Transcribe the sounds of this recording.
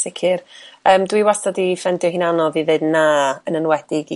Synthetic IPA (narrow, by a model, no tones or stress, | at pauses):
sɪkʰirəːmdwiwastɔdifɛndjɔhinanɔvivɨnnːaənənwɛdɪɡ